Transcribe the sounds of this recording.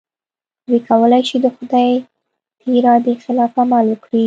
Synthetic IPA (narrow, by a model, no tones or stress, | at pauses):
d̪wikʰawəlajʃid̪əxʊd̪ɑj | t̪iɾɑd̪ixɪlɑfamaləkɽi